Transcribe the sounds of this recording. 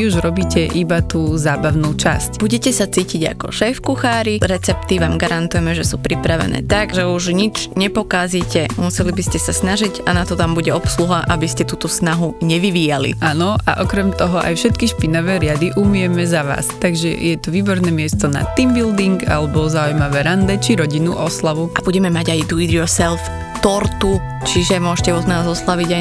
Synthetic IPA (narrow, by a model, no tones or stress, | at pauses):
uʒɾɔbiːcɛʔibat̪uːzaːbaʊnuːt͡ʃascb̥uɟɛcɛsat͡siːciɟa̰kɔ̰ʃɛːfkuxaːɾiɾɛt͡sɛpt̪iʋaːmɡaɾant̪ujɛmɛʒɛsuːpɾipɾaʋɛ̰nɛ̰ːt̪aɡʒɛuʒɲit͡ʃɲɛpɔkaziːcɛmusɛlibiscɛsasnaʒiɟanat̪ɔt̪ambuɟɛɔpsluɦaʔabiscɛt̪uːt̪ɔsnaɦuɲɛʋiʋiːjalḭʔanɔa̰ʔɔkɾɛmt̪ɔɦɔʔa̰jfʃɛt̪kiʃpinɔʋɛːɾɪad̪iʔumɪjɛmɛzaʋa̰ːst̪aɡʒɛ̰jɛt̪uʋiːbɔɾnɛːmɪɛst̪ɔna̰t̪imbild̪iŋɡa̰lɛbɔzaujmaʋɛːɾand̪ɛt͡ʃiɾɔɟinuʔɔslaʋuʔab̥uɟɛmɛmaɟajd̪uid̪iɔsɛlf | t̪ɔɾt̪u | t͡ʃiʒɛmʊɔʃcɛɔd̪naːzɔslaʋiɟa